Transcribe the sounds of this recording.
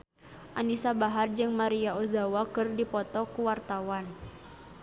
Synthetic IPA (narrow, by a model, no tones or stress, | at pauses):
ʔanisabaɦard͡ʒɨŋmaɾiaozawakɨrdipɔt̪ɔkuwart̪awan